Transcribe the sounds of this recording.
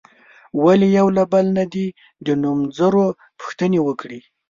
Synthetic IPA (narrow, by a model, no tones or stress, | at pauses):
walejawlabalnad̪i | d̪ənumzəɾo | pʊ̥xt̪ənewəkɽi